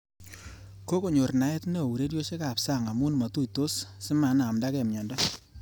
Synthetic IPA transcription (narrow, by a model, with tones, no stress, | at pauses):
ko˦ko˨ɲo˨rna˨˦ɛ˦tne˦˨wu˨ɾe˦djo˦t͡ʃe˦ka˨psa˦˨ŋa˨mu˦n˨ma˨tu˦ito˦ssɪ˦ma˨˦na˨mda˦kɛ˨mɲɔ˨ndɔ˦